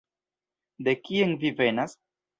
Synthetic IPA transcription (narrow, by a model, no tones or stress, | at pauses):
d̪e̞kienvive̞nas